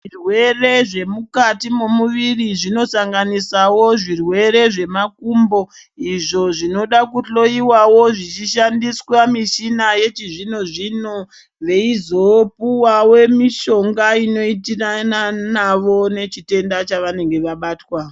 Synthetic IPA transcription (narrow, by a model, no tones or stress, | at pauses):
irwe̞reʐe̞mukatimomuʋiriʐino̞saŋɡanisawo̞ʐirwe̞ɾe̞ʐe̞makumbo̞ | iʐo̞ʐino̞ɗakuɬo̞iwawo̞ʐit͡ʃiʃandiswamiʃinaje̞t͡ʃiʐino̞ʐino | ʋe̞izo̞puwawe̞miʃo̞ŋɡaino̞it̬irananaʋo̞ne̞t͡ʃite̞ndat͡ʃaʋane̞ŋɡe̞ʋaɓaːtwa